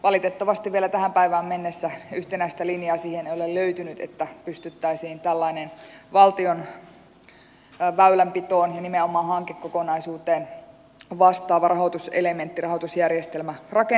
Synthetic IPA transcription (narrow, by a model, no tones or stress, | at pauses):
ʋɑlit̪et̪ːɑʋɑst̪iʋielæt̪æhæmpæiʋæːmmenːesːæyht̪enæist̪ælinjɑːsiːhenejolelløyt̪ynyt̪ḛt̪ːæpyst̪yt̪ːæisiːnt̪ælːɑinenʋɑlt̪ion | ʋæylæmpit̪o̞ːnjɑnimeomˑɑːɦɑŋkekːokonɑisuːt̪eːn | ʋɑst̪ˑɑːʋɑrɑɦot̪usḛleme̞nt̪ːirɑɦot̪usjærjest̪elmærɑke